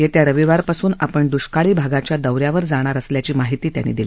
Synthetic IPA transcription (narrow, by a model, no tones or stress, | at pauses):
jet̪jaɾəʋiʋaɾpasuːnapəɳd̪uɕkaɭiːbʱaɡat͡ɕjad̪əwɾjaʋəɾd͡zaɽ̃aɾəsljat͡ɕiːmaɦit̪iːt̪ja̰nːḭd̪ili